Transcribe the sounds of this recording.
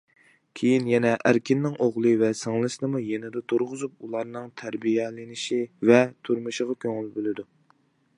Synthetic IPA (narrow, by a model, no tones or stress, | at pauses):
kʲʰejinjɛnɛʔæɾkʲʰɪnːɪŋʔoʁlˠɨvɛsɨŋlˠɨʃɨnɨmujenɪd̪ɛt̪ʰuɾʁʊzup̚ulˠɑɾnɨŋt̪ʰæɾbijɛlɪnɪʃivɛt̪ʰuɾmuʃəʁɑkʲʰøŋɪlbølɪd̪u